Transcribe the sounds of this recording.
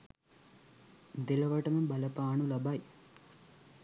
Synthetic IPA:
d̪ilɐʋɐʈɐmɐmbɐlɐpaːɳulɐbaːj

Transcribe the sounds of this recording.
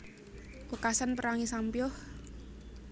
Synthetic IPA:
wəkasanpəɾaŋisampjɔh

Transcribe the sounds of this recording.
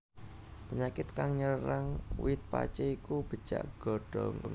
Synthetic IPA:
pəɲakɪt̪kaŋɲərɾaŋwɪt̪̚pa̰t͡ʃeikub̥ə̤̥ʒ̥a̰ʔɡ̥ɔ̤ɖ̥ɔ̰ŋ

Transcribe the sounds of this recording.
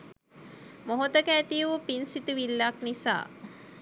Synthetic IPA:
moɦot̪əkæːt̪ijuupinsit̪uʋilːaknisa̰ː

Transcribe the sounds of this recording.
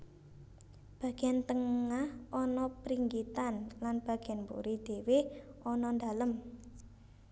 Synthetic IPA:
b̥ä̤ɡ̥eant̪əŋahʔɔnɔpɾiŋɡit̪anlanb̥ä̤ɡ̥eanpṵɾid̪̥e̤weɔnɔnd̪aləm

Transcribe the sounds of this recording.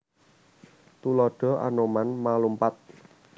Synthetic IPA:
t̪ulɔɖ̥ɔ̤a̰nomanmalumpat̪̚

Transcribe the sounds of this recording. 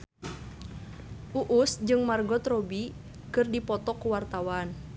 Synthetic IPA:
ʔuʔusd͡ʒɨŋmarɡɔt̪rɔbi | kɨrdipɔt̪ɔkuwart̪awan

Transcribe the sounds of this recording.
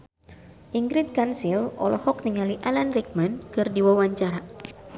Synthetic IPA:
ʔiŋɡɾit̪̚kansilɔ̰lɔhɔk̚niŋaliʔalanrik̚mankɨrdiwawaɲt͡ʃaɾa

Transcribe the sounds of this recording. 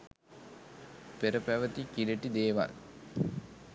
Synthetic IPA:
peɾəpæʋət̪ikiləʈid̪eːʋa̰l

